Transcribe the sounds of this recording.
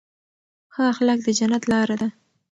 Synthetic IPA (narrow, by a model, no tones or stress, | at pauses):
xaaxalak̚d̪əd͡ʒanat̪lɑɾad̪a